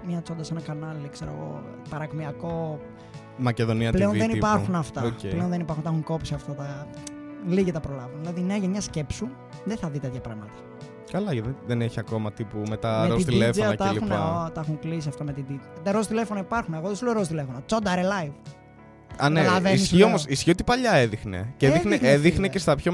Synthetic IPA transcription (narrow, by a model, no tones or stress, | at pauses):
mɲɐt͡so̞nd̪ɐsenɐkɐnɐlikseɾo̰ɣo̞̰pɐɾɐɣmiɐko̞ | mɐceðo̞niɐpleonðenipɐɾxunɐft̪ɐoepleonðenipɐɾxunt̪ɐxuŋko̞psiɐft̪ot̪ɐ | liʝit̪ɐpɾo̞lɐvunðilɐðinɐʝɐmɲɐsce̞psu | ðeθɐðit̪et̪çɐpɾɐɣmɐt̪ɐ̥ | kɐlɐððeneçiɐko̞mɐt̪ipumet̪ɐɾeot̪it̪ilefoɐnɐt̪ɐlixunnt̪ɐɐxuŋklis̬iɐft̪omet̪id̪it̪ɐɾost̪ile̞fonɐipɐɾxuneɣoðesuleɾos̬t̪ile̞fonot͡sod̪ɐɾelɐjv | ɐnneɐlɐvenisiomosisçio̞t̪i̥pɐʎɐeðixnḛceðixneeðixnecest̪ɐpço